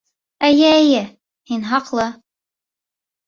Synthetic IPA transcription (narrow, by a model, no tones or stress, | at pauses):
æjæjɘ | hinɦɑqlˠɤ